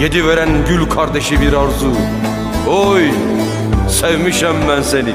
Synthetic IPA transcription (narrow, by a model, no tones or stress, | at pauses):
jed̪iveɾænɟylʲkʰɑɾd̪eʃibiɾɑɾzu | oj | sevmiʃæmːænseni